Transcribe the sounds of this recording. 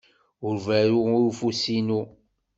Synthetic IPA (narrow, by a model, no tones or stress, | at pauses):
ʊɾvæɾuɾufusinu